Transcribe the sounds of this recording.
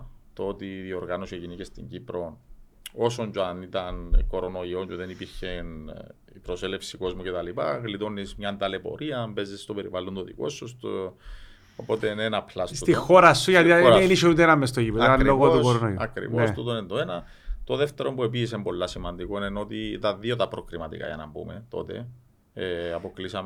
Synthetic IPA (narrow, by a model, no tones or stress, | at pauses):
t̪oot̪iðio̞ɾɣanoseʝinecest̪ḭɲɟipɾo̞n | o̞soɲd͡ʒoɐnit̪ɐnko̞ɾo̞no̞io̞ɲd͡ʒuðenipiɾçen | ipɾosele̞fsiko̞zmucet̪ɐlipɐ̰ɣlit̪o̞nizmɲɐnt̪ɐlepo̞̰ɾʔiɐmbe̞zest̪ope̞ɾivalont̪oðḭko̞̰sːust̪ | opo̞t̪enenɐplɐstst̪ixoɾɐsuʝɐt̪ioɾeniʃout̪enɐmːest̪oʝipeɐnloɣotousɾonoiuɐ̰kɾḭvosst̪ut̪onent̪oenɐ | t̪oðe̞ft̪e̞ɾo̞mbue̞piːs̬embo̞lːɐsimɐnd̪ikoinenot̪it̪ɐnðio̞t̪ɐpɾokɾimɐt̪ḭkɐ̰ʝɐ̰nɐ̰bṵmḛt̪o̞̰t̪e̞̰ | ɐpo̞klisɐme